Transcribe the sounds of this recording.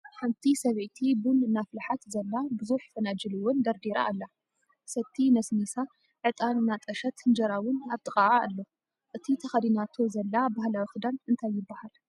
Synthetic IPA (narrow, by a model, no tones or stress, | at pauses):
ħɨmt̪ʰisɐβʕt̪ʰibunɨnaflaħat̪zɐlːabɨzuħfɐnad͡ʒɨlɨwʊnd̪ɐɾd̪iɾa̰ʔːlːa | sɐt̪ʰːinɐsnisa | ʕɨt̪ʼanɨnːat̪ʼɐʃɐt̪ɨnd͡ʒɐɾawʊnaβt̪ʰʼɨkʼaʕaːlːo | ʔɨt̪ʰit̪ʰɐxɐd̪inat̪ʰo̞zɐlːabahlawixɨd̪anɨnt̪ʰajːɪbːahal